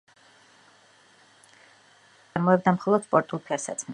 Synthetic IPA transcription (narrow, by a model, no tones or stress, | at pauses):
aɾmɔɛb̚d̪amχɔlˠɔd̪̥spʼɔɾt̪ʼulˠpʰiasa̰t̪sʰm